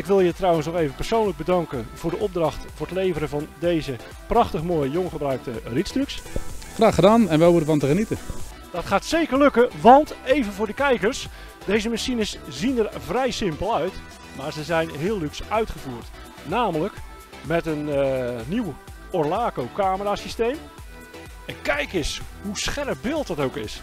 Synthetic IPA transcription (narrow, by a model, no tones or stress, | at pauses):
ɪkʋɪlˠjətrɑwənsnɔχejvənpərsownləɡ̚bədɑŋkənv̥ʊːrdəʔɔb̚drɑχtfʊːrətlejvəɾəvɑndejzə | prɑχtəχmoːjjoŋχəbrœɥk̚təritstryksχraːχədaːnɛnʋɛlˠʋudəvɑntəχənitə | d̥ɑtχaːtsejkərlɵkəʋɑntejvənvʊːɹdəkɛjkərs | d̥ejzəmasinəszinərvrɛjsɪmpəlˠœɥt | maːɹzəzɛjnɦɪːlˠlyksœɥtχəvuːrt | naːmələk | mɛtənniw | oɹlaːkowkaːməraːsistejm | əkɛjkɪsɦusχɛrəp̚bɪːlˠt̚dɑtowkɪs